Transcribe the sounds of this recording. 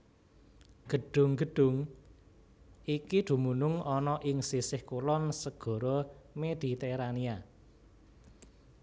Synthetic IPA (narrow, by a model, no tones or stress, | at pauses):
ɡ̥ə̤ɖ̥ʊ̤ŋɡə̤ɖ̥ʊ̤ŋ | ikid̪̥ṳmunʊŋɔnɔʔɪŋsisɪhkulɔnsəɡ̥ɔ̤ɾɔmed̪̥i̤t̪eɾania